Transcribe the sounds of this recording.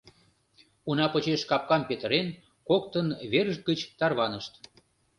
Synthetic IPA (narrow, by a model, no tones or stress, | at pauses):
unɑpət͡ɕeʃkɑp̚kɑmpet̪əɾen | kokt̪ənβerəʒ̚ɡət͡ɕt̪ɑrβɑnəʃt̪